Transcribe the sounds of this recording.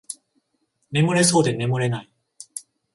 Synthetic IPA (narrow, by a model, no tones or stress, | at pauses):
me̞mɯɾe̞so̞ːd̪e̞me̞mɯ̟ɾe̞nai